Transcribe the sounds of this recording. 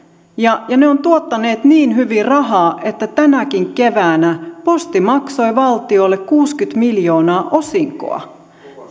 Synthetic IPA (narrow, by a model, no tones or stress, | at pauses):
jɑjɑne̞o̞nt̪uot̪ːɑne̞ːt̪niːnɦyʋirɑɦɑːʔe̞t̪ːæt̪ænækiŋke̞ʋæːnæpo̞st̪imɑkso̞jʋɑlt̪io̞lːe̞kkuːskyt̪miljo̞ːnɑːʔo̞siŋko̰ɑ̰